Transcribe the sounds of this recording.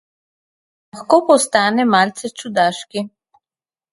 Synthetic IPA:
laxkoːpɔst̪aːnɛmaːlt̪sɛt͡ʃud̪aːʃki

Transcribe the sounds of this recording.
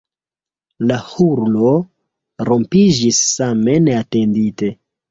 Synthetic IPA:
lahuɾlo̞ | ɾo̞mpid͡ʒisːame̞ne̞ate̞ndite̞

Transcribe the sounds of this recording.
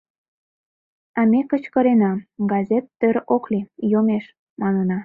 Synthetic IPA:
ɑmekət͡ɕkəɾenɑɡɑzʲet̪ːøɾoklijomeʃ | mɑnənɑ

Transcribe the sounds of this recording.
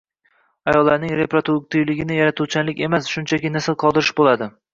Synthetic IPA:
ajɒlˠːaɾnɪŋɾe̞pɾat̪ʰuk̚t̪ɪjlɪɡʲɪnɪjaɾat̪ʰut͡ʃanlɪkʲe̞masʃʊnt͡ʃʰakʲɪnasɪlˠqʰɒd̪ɪɾɪʃbolˠad̪ɪ

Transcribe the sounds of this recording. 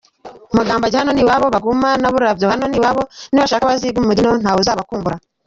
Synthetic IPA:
maɡaːmbaɟehano̞niwaβo̞βaɡumanaβuɾɾavjohano̞niwaβo̞niβaʃaːkaβaziɡumumudinon̥haːβuzaːβakuːmbuɾa

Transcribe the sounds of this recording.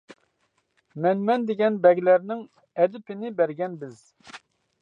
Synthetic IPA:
mɛnmɛnd̪ɪɡʲɛnbɛɡʲlæɾnɪŋ | ɛd̪ɪpʰɪnɪbɛɾɡʲɛnbɪz̥

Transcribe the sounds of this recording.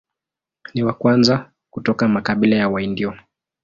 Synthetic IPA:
niwakwanza | kutɔkamakaɓilajawaindiɔ

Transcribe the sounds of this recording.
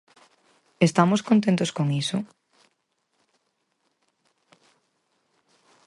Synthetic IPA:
est̪amoskõnt̪ẽnt̪oskoŋisʊ

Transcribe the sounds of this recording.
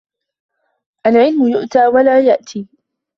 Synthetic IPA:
ʔalʕɪlmʊjʊʔt̪aːwalaːjaʔt̪ʰiː

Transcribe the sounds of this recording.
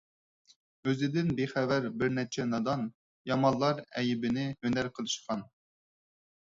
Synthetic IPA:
øzɪd̪ɪnbeχævæɾbɪɾnɛt͡ʃʰɛnɑd̪ɑn | jɑmɑlˠːɑɾɛjɪbɪnɪhønæɾqʰəlˠɨʃqɑn

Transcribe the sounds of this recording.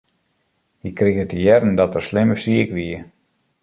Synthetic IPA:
hikriɣətəjɛrn̩dɔtərslɪməsiəkʋiə

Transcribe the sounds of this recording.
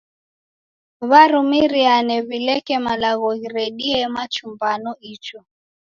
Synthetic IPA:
βaɾumiɾianɛβilɛkɛmalaɣɔɣiɾɛɗiɛmat͡ʃumbanɔit͡ʃɔ

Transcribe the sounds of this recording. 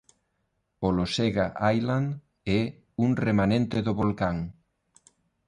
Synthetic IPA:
oloseɣaʔajlan | ɛ | uŋremanẽnt̪eðoβolkaŋ

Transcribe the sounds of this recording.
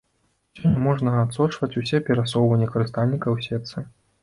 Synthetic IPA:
sʲɔnʲɛmɔʐnɐat̪sɔt͡ʂvɐt͡sʲusʲɛpʲɛɾasɔwvɐnʲːɛkɐɾɨst̪alʲnʲikɐwsʲɛt̪sɨ

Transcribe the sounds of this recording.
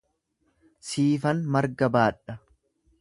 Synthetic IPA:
siːfɐnmɐɾɡɐbaːᶑːɐ

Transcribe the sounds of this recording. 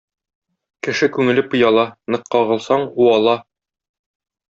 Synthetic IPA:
kɘ̆ʃɘkʉŋɘ̆lɘpɤ̆jɑlˠɑnɤ̆qːɑʁɤ̆lˠsɑɴuɑlˠɑ

